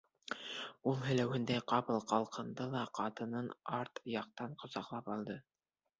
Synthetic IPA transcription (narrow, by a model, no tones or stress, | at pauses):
ulˠɦɵ̆læwɘ̆nd̪æqɑpɤ̆lˠqɑlˠqɤ̆nd̪ɤlˠɑqʰɑt̪ɤ̆nɤnɑɾt̪jɑq̚t̪ɑɴqŏzɑqlˠɑpɑlˠd̪ɤ